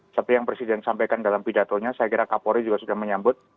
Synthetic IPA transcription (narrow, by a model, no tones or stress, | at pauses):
sapijaŋpɾesidɛnsampajkandalampidat̪oɲasajakiɾakapoɾid͡ʒuɡasudahməɲambʊt̪̚